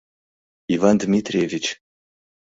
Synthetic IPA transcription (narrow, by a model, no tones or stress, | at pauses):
ivand̪mʲit̪ʰrʲevʲit͡ʃʰ